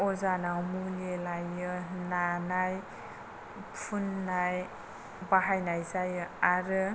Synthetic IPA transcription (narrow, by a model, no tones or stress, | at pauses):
ɔzanawmulelajɯnanaj | pʰunːaj | baɦajnajzajɯaɾɯ